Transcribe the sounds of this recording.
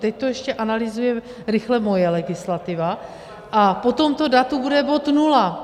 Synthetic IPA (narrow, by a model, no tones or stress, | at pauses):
t̪ɛc̚t̪ojɛʃcɛʔanalɪzujɛ | ɾɪxlɛmo̞jɛlɛɡɪslat̪ɪva | ʔapo̞t̪o̞mt̪o̞dat̪ubudɛbo̞t̪nula